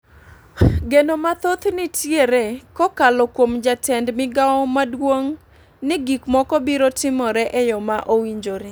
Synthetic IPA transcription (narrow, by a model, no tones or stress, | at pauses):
ɡenomat̪ot̪nɪtʰjeɾekɔkalɔkwomd͡ʒatɛndmɪɡawɔmadwoŋ | nɪɡikmɔkɔbiɾotɪmɔɾɛʔɛjɔmaʔowiɲd͡ʒoɾe